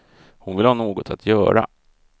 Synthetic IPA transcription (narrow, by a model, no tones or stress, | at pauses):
hʊnvɪlhɑːnoːɡɔt̪ʰat̪ʰjœːɾa̰